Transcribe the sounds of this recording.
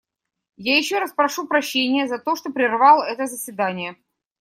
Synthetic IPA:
jajɪɕːoɾaspɾɐʂupɾɐɕːenʲɪjəzɐt̪o̞ʂt̪opɾʲɪrvɑlˠɛt̪əzəsʲvʲɪd̪anʲɪjə

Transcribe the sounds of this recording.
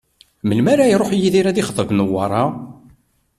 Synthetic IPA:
məlmaɾajɾˤoħjiðiɾæðiχəðˤəvnəwːɑɾˤɑ

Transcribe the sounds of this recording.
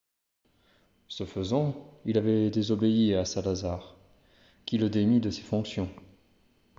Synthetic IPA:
səfəzɑ̃ilavɛd̪ezɔbeiasãlazaʁ | kʲiləd̪emid̪əse̥fɔ̃ksjɔ̃

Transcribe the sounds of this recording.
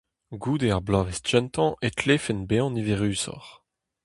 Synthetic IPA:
ɡuːd̪eaʁblaːvɛsd͡ʒɛnt̪ɑ̃ʔet̪ʰleːfɛnbeɑ̃niveʁyːsɔ̰ʁ

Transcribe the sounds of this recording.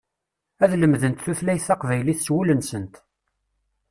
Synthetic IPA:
æðləmðənt̪θuθlæjθɑqvæjliθswulənsənt̪

